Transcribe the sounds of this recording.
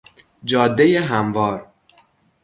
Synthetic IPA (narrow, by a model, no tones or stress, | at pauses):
d͡ʒɒːd̪ːejeɦæmvɒːɾ